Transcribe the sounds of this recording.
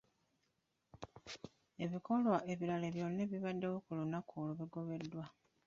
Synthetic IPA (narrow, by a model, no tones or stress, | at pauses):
e̞βiko̞lwaʔe̞βiɾaleβjo̞nːeβiβadːe̞wokulunakʰuloβiɡo̞βe̞dːwa